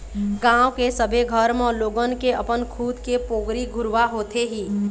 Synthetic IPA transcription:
ɡãʊwkesəbʱeɡʱəɾmɔːɾloːɡənkeəpənkʰuːd̪kepoɡɾiɡʱʊɾʋaɦot̪eɦiː

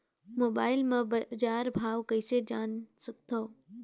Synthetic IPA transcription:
moːɓaːɪlmãzaːɾbʱaːʋkɐised͡ʑaːnsɐɡ̚ʱt̪ʰoː

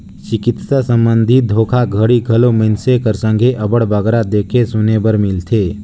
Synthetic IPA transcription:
t͡ʃɪkɪt̪sasə̃mbə̃nd̪ʱit̪̚d̪ʱoːkʰaɡʱəɽiɡʱəlomensekəɾsə̃ŋɡʱeʔɐbəɽbəɡɾad̪eːkʰesʊnebəɾmɪlt̪ʰeː

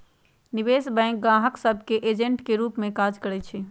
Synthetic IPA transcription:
nɪʋeːsbɛ̃ŋk̚ɡãːɦəksəbʱkeʔeːd͡ʒəɳʈkeɾuːpmẽkad͡ʒkəɽɛt͡ʃʰɛ

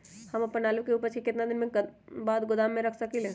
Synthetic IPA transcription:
hɐmɐpːənaːlukeuːpəɾt͡ʃʰikɪt̪nad̪ɪnmẽbaːd̪ɡʊd̪aːmːẽɾɐkʰsɐkileː

